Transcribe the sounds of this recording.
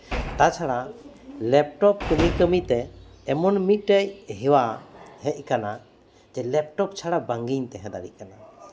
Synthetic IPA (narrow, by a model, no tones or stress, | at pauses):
t̪at͡ʃʰaɽa | lɛp̚ʈɔp̚kəmikəmit̪ɛː | mɔnmit̪̚ˀʈajɦɛwaɦɛc̚ˀkana | d͡ʒɛlɛp̚ʈɔp̚t͡ʃʰaɽabaŋɡiɲt̪ɛɦɛ̃d̪a̰ɽḭʔkana